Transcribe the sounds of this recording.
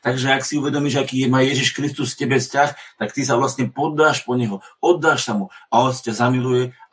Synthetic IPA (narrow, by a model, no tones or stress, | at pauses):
t̪aɡʒɛaksiuʋɛd̪ɔmiːʒakiːjɛmajɛʒiʃkɾist̪usfcɛbɛfscaxt̪akt̪is̬aʋlast̪ɲɛpɔd̪ːaːʃpɔɲɛɦɔɔd̪ːaːʃsamuaɔscazamilujɛ